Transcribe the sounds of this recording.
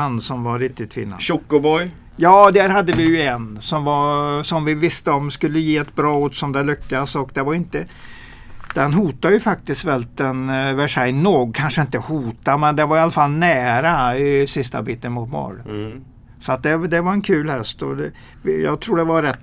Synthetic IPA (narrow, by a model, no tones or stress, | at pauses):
ansɔmvaɾɪk̚t̪ɪt̪ʰːfḭːnːa̰ɔkːʊbɔj | jɑːd̪æːɾɦad̪ːəvɪjɵɛnsɔmvasɔmvɪvɪst̪əɔmskɵlːəjeːɛt̪bɾɑːot̪sɔnd̪alʏkːasɔkd̪ɛvaɾɪnt̪ə | d̪̥ɛnɦuːt̪ajɵfak̚t̪ɪst̪vɛlt̪ɛnvæʂɛɪnoːɡkʰanʂəɪnt̪əhuːt̪amɛnd̪ɛnvaɾjalːafalnæːɾaɪsɪst̪a̰biːt̪ənmʊt̪̚mɑ̰ɖ | sɔat̪̚d̪ɛd̪ɛvaɾɛnkʰʉ̟ːlhɛst̪ɔ̰d̪ɛ | vɪjɑ̰ːɡt̪ʰɾuːɖɛvaɾɛt̪ː